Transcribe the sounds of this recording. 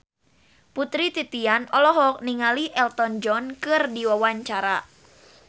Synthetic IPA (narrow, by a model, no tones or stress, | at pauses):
put̪ɾit̪it̪ianɔlɔɦɔk̚niŋaliʔɛlt̪ɔnd͡ʒɔnkɨrdiwawaɲt͡ʃaɾa